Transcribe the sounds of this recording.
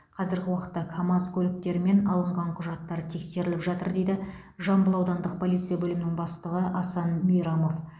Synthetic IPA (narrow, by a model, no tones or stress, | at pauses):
qʰɑzɪɾɡʲɪwɑqə̥t̪ːɑkʰamɑskʲʰɵlɪk̚t̪e̞ɾɪme̞nɑlˠəɴʁɑɴqʰʊʒɑt̪ːɑɾət̪ʰe̞kse̞ɾɪlɪpʒɑt̪əɾd̪e̞jd̪ɪ | ʒɑmbəlˠɑwd̪ɑnd̪əq̚pʰolˠijt̪sɨjabɵlɪmɪnɪŋbɑst̪əʁəʔɑsɑnmijɾɑmo̞f